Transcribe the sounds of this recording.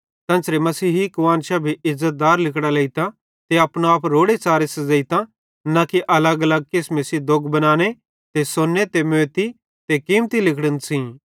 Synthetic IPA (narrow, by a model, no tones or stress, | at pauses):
t̪ɐ̃nsɾemɐsiːɦikʊʋãːnʃabʱiʔɪzət̪̚d̪aːɾlɪkɽalɐit̪a | t̪eɐpɽ̃oaːpɾoːɽet͡saːɾesɐzɐit̪ã | nakiʔɐləɡɐləɡ̚keːsmẽsid̪oɡbɐnaːñe | t̪esonːet̪emeːt̪i | t̪ekiːmt̪ilɪkɽənsĩː